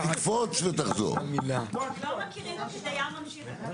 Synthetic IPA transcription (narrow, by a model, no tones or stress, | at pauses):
ikfot͡svet̪aχzo̰ʁmilakajamɐmʃi